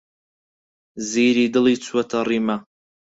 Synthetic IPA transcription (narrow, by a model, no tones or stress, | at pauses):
ziːɾiːd̪ɨlˠiːt͡sʰwɐt̪ʰɐriːmɐ